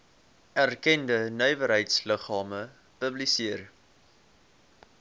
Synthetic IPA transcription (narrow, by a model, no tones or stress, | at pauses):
ærkɛndənœɥvəɾɦəjtsləχɑːmə | pəblisiər